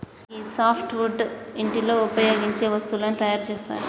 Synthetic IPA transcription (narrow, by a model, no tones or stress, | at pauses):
iːsaːpʰʈʋuɖiɳʈilo̞ːupɐjoːɡiɲt͡ʃe̞ːʋɐst̪ulɐnːit̪ɐjaːɾt͡ʃeːst̪a̰ːɾu